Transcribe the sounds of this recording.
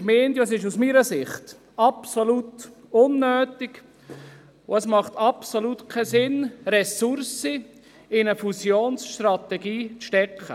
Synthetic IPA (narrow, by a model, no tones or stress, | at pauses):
meːntjoɛs̬ɪʃusmiːɾəsɪχt | ɑpsolut | ʊnːøːtɪɡ | ʊɛsmɑχt̪ɑpsolutkʰɛsɪnɾɛsuɾsi | ɪnəfusjoːnsʃtrɑt̪ɛɡiːt͡sʃtɛkʰχə